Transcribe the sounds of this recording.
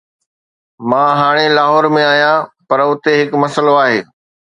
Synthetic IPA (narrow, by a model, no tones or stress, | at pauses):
mãːɦaːɽ̃elaːɦɔːɾmẽaːɦjãpɐɾʊt̪eɦɪkmɐsəloaːɦeː